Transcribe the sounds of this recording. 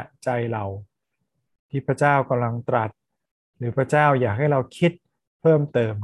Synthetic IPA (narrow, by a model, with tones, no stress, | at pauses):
t͡ɕa˧jɾa˧w | t̪ʰiː˥˩pʰɾa˧˥t͡ɕaː˥˩wka˧mla˧ŋt̪ɾa˨˩t̪̚ | ɾɯː˩˦˥pʰɾa˧˥t͡ɕaː˥˩wjaː˨˩k̚ha˥˩jɾa˧wkʰi˦˥t̪̚ | pʰɤː˥˩mt̪ɤː˧m